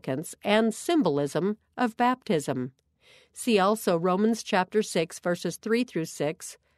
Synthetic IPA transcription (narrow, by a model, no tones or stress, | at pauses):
kɨ̃nsɨ̃nsɪ̃mbəl̩ˠɪzə̃m | ʔʌvbæp̚tʰɪzə̃m | siɔlˠsoʊɹõʊ̃mə̃nz̥t͡ʃʰæp̚tə˞sɪksv̥ɜ˞sɨz̥θɹiθɹʉsɪks